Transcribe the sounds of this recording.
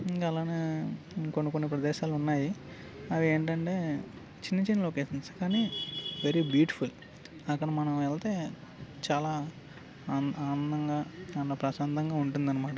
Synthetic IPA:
kɐlaːneː | konːikonːipɾɐd̪ɛːʃaːlunːaːji | ɐʋieːɳʈɐɳʈe̞ː | t͡ʃinːɐt͡ʃinːɐloːkeːʂint͡ʃu̥kaːniːʋeɾibjuːʈipʰul | ɐkːɐɽɐmɐnɐmɛlt̪e̞ː | t͡ʃaːlaː | aːnɐnd̪ɐŋɡaːanlɐpɾɐʃaːnt̪ɐŋɡaːuɳʈund̪ɐnːɐmaːʈɐ

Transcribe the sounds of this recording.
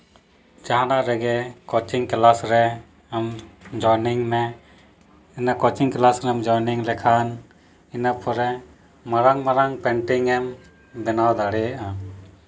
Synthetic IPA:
d͡ʒaɦanaɾɛɡɛkɔt͡ʃiŋklasɾɛ | amd͡ʒɔniŋmɛ | inakɔt͡ʃiŋklasɾɛamd͡ʒɔjniŋlɛkʰan | inapʰɔɾɛ | maɾaŋmaɾaŋpɛɳʈiŋɛm | bɛnawd̪aɽɛjaʔa

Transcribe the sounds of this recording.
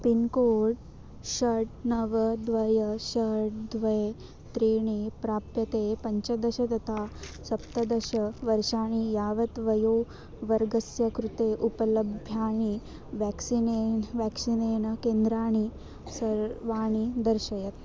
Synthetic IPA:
pinkoːɽ | ɕɐɾʈnɐʋɐd̪ʋɐjɐɕɐɦɽ̚d̪ʋɐj | t̪ɾiːɳipɾaːpjɐt̪eːpɐɲt͡ɕɐd̪ɐɕɐt̪ɐt̪asɐpt̪ɐd̪ɐɕɐʋɐɾʃaːɳ̃ijaːʋɐt̪ʋɐjoː | ʋɐɾɡɐsjɐkɾut̪eːʔupɐlɐbʱjaːɳ̃i | ʋɛksineʋɛksineːɳ̃ɐkeːnd̪ɾaːɳ̃i | sɐɾʋaːɳ̃id̪ɐɾʃɐjɐt̪

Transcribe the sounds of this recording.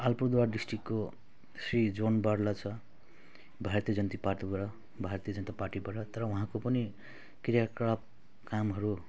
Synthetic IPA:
alpud̪warɖisʈrikːo | srid͡zonbarlat͡sʰʌ | bʱaɾrt̪ijʌd͡zʌnt̪ipart̪ibʌɾʌ | bʱart̪ijʌd͡zʌnt̪aparʈibʌɾʌt̪ʌɾʌwuɦãkopʌni | kirjakab̚ | kamɦʌɾu

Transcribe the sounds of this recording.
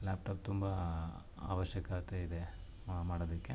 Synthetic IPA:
laːp̚ʈaːp̚t̪umbɐ | a̰ːʋɐʃjɐkat̪eid̪e | maːɽod̪ɐkːe

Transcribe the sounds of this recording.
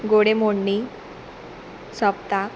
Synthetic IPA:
ɡoɽemoɳːi | səpt̪a

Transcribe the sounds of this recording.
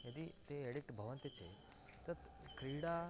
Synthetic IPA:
jed̪iːt̪eeɽik̚ʈbʱəʋənt̪jet͡sḛ | t̪əɾt̪ | kɾiɽa

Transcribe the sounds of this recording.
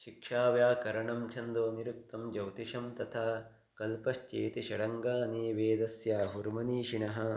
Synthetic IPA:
ʃikʂaːʋjaːkɐɾɐɳɐmt͡ʃʰɐnd̪oːniɾuk̚t̪ɐmd͡ʒɐwt̪iʃɐmt̪ɐt̪ʰaː | kɐlpɐʃt͡ʃeːt̪iʃɐɽɐŋɡaːniːʋeːd̪ɐsjaːɦuɾmɐniːʃiɳɐɦɐ̆

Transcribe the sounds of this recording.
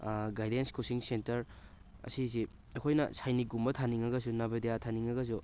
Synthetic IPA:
ɡajdenskosiŋsentɐɾ | ɐ̰sizi | ɐkʰojnɐ̰sajniɡumbɐtʰaniŋɐɡɐs̬unabedejatʰaniŋɐɡɐs̬u

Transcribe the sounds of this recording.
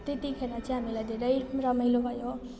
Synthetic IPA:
t̪et̪ikʰeɾat͡sʌ̃ɦamilajd̪ʱeɾʌjrʌmʌjlobʱʌjo

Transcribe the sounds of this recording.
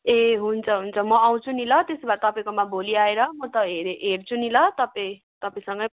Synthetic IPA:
eɦunt͡sʰʌɦunt͡sʰʌmʌaw̃t͡sʰunilʌt̪esbat̪ʌpaĩkomaboliaeɾʌmʌt̪ʌɦeɾɦert͡sʰunilʌt̪ʌpai | t̪ʌpaĩsʌŋɡʌ

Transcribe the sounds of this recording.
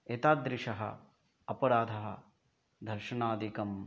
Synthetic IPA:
et̪aːd̪ɾɪʂɐɦɐ̰ | ɐpɐɾaːd̪ʱɐɦɐ | d̪ʱɐɾʂɐnaːd̪ikɐm

